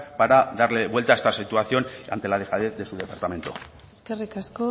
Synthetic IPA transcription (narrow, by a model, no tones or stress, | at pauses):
paɾaðaɾle̞βwe̞lt̪aest̪asit̪uaθjo̞na̰nt̪e̞laðexaðe̞θðe̞suð̞e̞paɾt̪ame̞nt̪o | eskerikasko